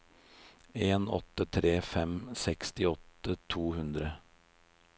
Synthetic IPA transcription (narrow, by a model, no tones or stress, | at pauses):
eːnɔ̰t̪ːət̪ʰɾeːfɛmsɛkst̪ɪɔt̪ːət̪ʰuːhʉnd̪ɾə